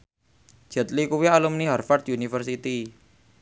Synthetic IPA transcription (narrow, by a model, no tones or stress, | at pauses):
d͡ʒ̥ɛ̤t̪̚likuwialumniɦarfart̪junifərsit̪i